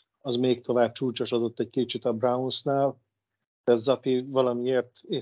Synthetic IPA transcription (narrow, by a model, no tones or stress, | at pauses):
ɒzmeːk̚t̪ʰo̞vaːb̚t͡ʃuːt͡ʃoʃɒd̪o̞t̪ːɛc̚kit͡ʃit̪ɒbraunsnaːl | d̪̥ɛzɒpivɒlɒmieːrt̪e